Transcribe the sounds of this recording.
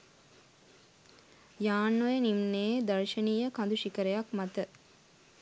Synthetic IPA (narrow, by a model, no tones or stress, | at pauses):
jaːnːojənimneːd̪əɾʃəniːjəkand̪uʃikəɾejakmat̪ə